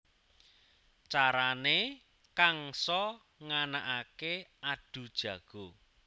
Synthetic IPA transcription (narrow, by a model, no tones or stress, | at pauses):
t͡ʃaɾane | kaŋsɔ | ŋanaʔakeaɖ̥ṳd̥ʒ̥ä̤ɡ̥o̤